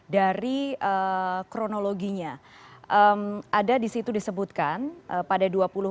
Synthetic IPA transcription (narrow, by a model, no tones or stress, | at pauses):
daɾiəkɾonoloɡiɲa | ʔəmʔadadisit̪udisəbut̪̚kanʔəpadaduapulu